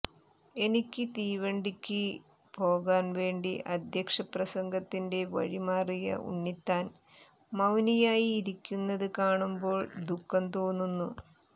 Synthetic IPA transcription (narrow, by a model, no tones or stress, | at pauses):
e̞nikʲːɨt̪iːʋɐɳɖikʲːɨ | po̞ːɣaːnʋe̞ːɳɖiʔɐd̪ʱjɐkʂɐprɐsɐŋɡɐt̪ːinde̞ʋɐ̰ɻimaːrijɐ̰ṵɳːit̪ːaːn | mɐwnijaːjiːɾikʲːunːɐðɨkaːɳumbo̞ːɭd̪ʱukːɐnt̪oːnːunːu